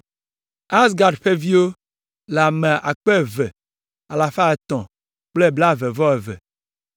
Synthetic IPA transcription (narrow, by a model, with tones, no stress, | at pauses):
a˦s̬ɡa˨ɖɸe˦vi˦wo˦ | la˨mɛ̃˨ʔa˨k͡pe˦˨vɛ˨ | a˨la˨fa˦ɛ˨t̪ɔ̃˨ | k͡ple˦bla˦vɛ˨vɔ˦ɛ˨vɛ̰˨